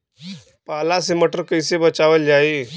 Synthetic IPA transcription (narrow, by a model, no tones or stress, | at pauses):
palaseməʈəɾkəjsebət͡ʃaʋəld͡ʒai